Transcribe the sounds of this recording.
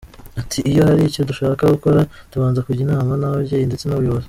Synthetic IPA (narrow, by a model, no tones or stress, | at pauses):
atʰiːjo̞haɾico̞duʃaːkaɡuko̞ɾatuβaːnzakuɟinaːmanahoβɟeːjinde̞t͡se̞noβujoβoze